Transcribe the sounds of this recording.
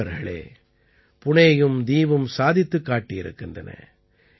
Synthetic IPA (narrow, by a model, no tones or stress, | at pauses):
ɐɾɣɐɭḛː | pʊɳɐjɯmd̪iːʋɯmsaːðɪt̪ːɯkːaːʈːijɪɾɯ̰kːɪndrɐ̰nɐ̰